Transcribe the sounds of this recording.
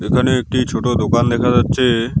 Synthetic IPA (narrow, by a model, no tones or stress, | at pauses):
ekʰaneek̚ʈit͡ɕʰoʈod̪okand̪ɛkʰad͡ʑatːʃʰe